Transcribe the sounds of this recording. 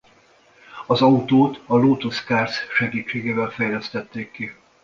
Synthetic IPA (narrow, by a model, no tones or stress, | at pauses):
ɒzɒut̪oːt̪ɒloːt̪oskaːrsʃɛɡiːt͡ʃːeːɡeːvɛlfɛjlɛst̪ɛt̪ːeːkːi